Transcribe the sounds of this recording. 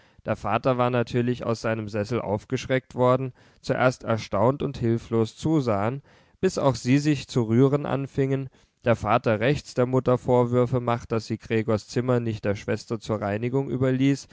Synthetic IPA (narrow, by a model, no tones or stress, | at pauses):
d̥eːɐfaːtɐvaːɐnatʰyːɐlɪça̰ʊsz̥aɪnəmzɛsl̩ʔa̰ʊfɡ̥əʃʁ̥ɛk̚tv̥ɔɐdn̩ | t͡suʔḛːɐstɛ̰ɐʃtaʊntʊnthɪlfloːst͡suːzaːən | b̥ɪsa̰ʊxz̥iːzɪçt͡suʁyːʁənʔa̰nfɪŋən | d̥eːɐfaːtɐʁɛçt͡sd̥eːɐmʊtɐfoːɐvʏɐfəmaχtd̥asz̥iːɡ̥ʁeːɡoːɐst͡sɪmɐnɪçt̚d̥eːɐʃv̥ɛstɐt͡suːɐʁaɪnɪɡʊŋʔy̰ːbɐliːs